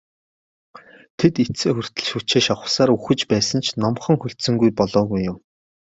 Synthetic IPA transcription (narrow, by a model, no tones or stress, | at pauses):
t̪ʰet̪it͡seːxɵr̥t̪ɘ̆ɮʃuːt͡ɕeːʃɔχə̥̆saːɾuxɘ̆t͡ɕpæːsə̆nt͡ɕʰnɔmχɞ̆ŋxɵɬt̪sɵ̆ŋɡujpɔɮɔːɣujːʊm